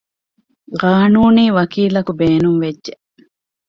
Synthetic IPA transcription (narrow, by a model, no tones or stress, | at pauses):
ʁaːnuːniːʋɐkiːlɐkubeːnuŋʋedʒeʔ